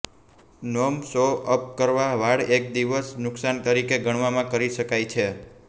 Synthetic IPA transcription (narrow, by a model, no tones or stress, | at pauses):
nomsoʔəp̚kəɾʋaʋaɽek̚d̪iʋəsnʊksant̪əɾikeɡʱəɳ̃ʋamãkəɾiʃəkajt͡ʃʰe